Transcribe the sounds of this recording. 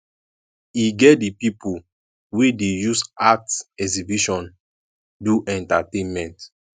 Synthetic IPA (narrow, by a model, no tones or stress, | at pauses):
iɡɛt̚dipipu | wedejusatɛkzibiʃɔ̃n | duʔɛ̃ntatẽnmɛ̃nt